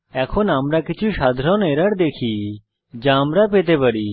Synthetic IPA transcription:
ɛkʰonaːmɾakɪt͡ʃʰuʃad̪ʱɾɔneɾəɽd̪ekʰi | d͡ʒãmɾapet̪epəɽi

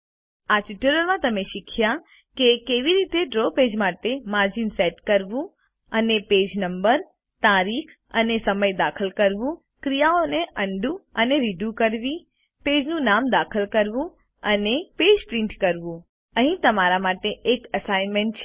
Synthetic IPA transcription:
aʈiʈəɾəɾmãt̪əmeʃikʰja | kekeʋiɾit̪eɖɾoped͡ʒmaʈemaɾd͡ʒinsɛʈkəɾʋũ | əneped͡ʒnəmbəɾ | t̪aɾikʰ | ə̰nesəməjd̪akʰəlkəɾʋũ | kɾijaoneʔəɳɖũəneɾiɖjũkəɾʋi | ped͡ʒnũnamd̪akʰəlkəɾʋũ | əneped͡ʒpɾɪ̃ɳʈkəɾʋũ | əɦĩt̪əmaɾamaʈeʔːkəsajnmeɳʈt͡ʃʰ

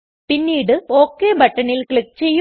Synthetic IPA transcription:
pinːiːɽɨoːkːeːbɐʈːɐɳilkɭik̚ːt͡ɕe̞jː

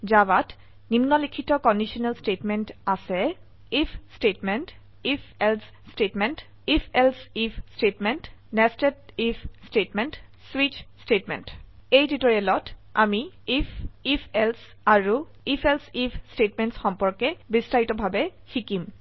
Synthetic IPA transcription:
zabat | ninːɔlikʰitɔkɔndisɔnɛlstetmɛntasɛ | ipʰstetmɛnt | ipʰɛls | stetmɛnt | ipʰɛlsipʰstetmɛntnɛstet̚ipʰstetmɛnt | swit͡ʃstetmɛ̰ntejditɔɹɛlɔta̰mi | ipʰipʰels | aɹu | ipʰelsipʰstetmɛntsxɔmpɔɹkɛbistajtɔbʱabɛxikim

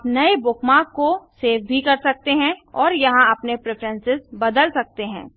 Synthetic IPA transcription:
pnɐebʊkmaːkːoseːfʰbʱikɐɾsɐk̚t̪eɦɛ̃ɔːɾjɐɦãɐpnepɾepʰɾə̃nsɪzbɐd̪əlsɐk̚t̪eɦɛ̃ː

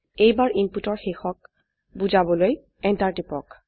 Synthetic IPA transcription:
ejbaɹʔimputɔɹxexɔk̚ | buzabɔloj | ɛntaɹtipɔ̰k

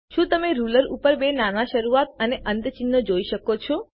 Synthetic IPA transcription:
ʃũt̪əmeɾuləɾupəɾbenanaʃəɾuat̪̚əneʔənt̪ət͡ʃinːod͡ʒoiʃəkot͡ʃʰo

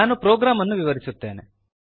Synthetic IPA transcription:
aːnupɾoːɡɾaːmɐnːuʋiʋɐɾisut̪ːe̞ːnḛ

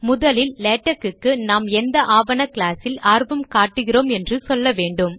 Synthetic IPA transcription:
mʊðɐlɪlːɛːʈːɐkːɯkːɯnaːmɛnd̪ɐʔaːʋɐnɐklaːsɪlaːɾbɯmkaːʈːɯɣɪroːmɛndrɯsɔlːɐʋeːɳɖɯm

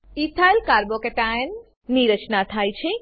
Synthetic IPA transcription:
it̪ʰajlkaɾbokeʈajn | niɾət͡ʃnat̪ʰajt͡ʃʰi

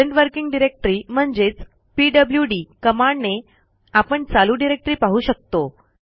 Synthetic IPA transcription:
eɳʈʋəɾkiŋɡɖiɾek̚ʈɾiːm̤əɳd͡ʑet͡s | piɖəbljuɖiːkəmaɳne | apəɳt͡saluːɖiɾek̚ʈɾiːpaɦuːɕək̚t̪o

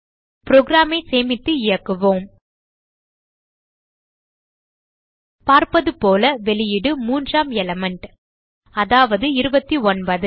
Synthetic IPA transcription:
pɪɾoɡɾaːmɐɪseːmɪt̪ːɯɪɻɐkːɯʋõːm | paːɾpɐðɯpoːlɐʋɛɭɪjɪɽɯmuːndraːmɛlɐmɛɳʈ | ɐðaːʋɐðɯɪɾɯbɐt̪ːiɔnpɐðɯ

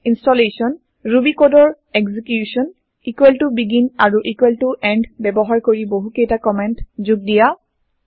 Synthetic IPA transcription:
instɔlesɔn | ɹubikodɔɹ | ɛɡzikjusɔn | ikweltubiɡinaɹuʔikweltuʔɛnɖbɛbɔɦaɹkoɹiboɦukejtakɔmɛntzuɡ̚dija

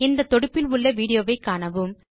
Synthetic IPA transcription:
ɪnd̪ɐt̪ːɔɽɯpːɪlʊɭːɐʋiːɽɪjoːʋɐɪkːaːɳɐʋɯm

